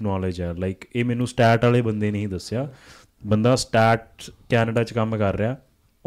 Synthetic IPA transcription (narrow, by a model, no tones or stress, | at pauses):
nɔːlɪd͡ʒɛːlaɪkeːmɛ̃ːnũːsʈɛːʈaːleːbənd̪eːnəɦĩːd̪əsːɪjaː | bənd̪aːsʈaːɾʈ̚kɛːnɖaːt͡ʃkəmkəɾːəaː